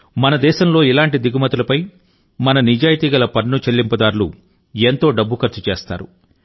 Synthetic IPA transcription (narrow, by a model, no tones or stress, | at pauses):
mɐnɐd̪ɛːʃɐmlo̞ːilaːɳʈid̪iɡumɐt̪ulɐpɐj | mɐnɐnid͡ʒaːjit̪iːɡɐlɐpɐɾnut͡ʃelːimpɐd̪aːɾlu | ent̪o̞ːɖɐbːukɐɾt͡ʃut͡ʃeːst̪a̰ːɾṵ